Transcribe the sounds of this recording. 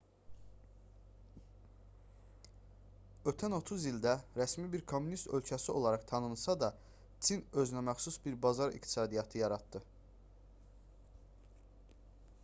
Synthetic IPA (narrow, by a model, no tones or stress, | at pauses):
ø̞t̪ʰæno̞t̪ʰuzild̪æɾæsmibiɾkʰo̞mːunist̪ø̞lcʰæsio̞̰lˠɑɾɑχt̪ʰɑnɯnɯsɑd̪ɑ | t͡s̪ʰinø̞zynæmæχsusbiɾbɑzɑɾḭkt̪ʰi̥sɑːd̪ijɑt̪ʰɯjɑɾɑt̪d̪ɯ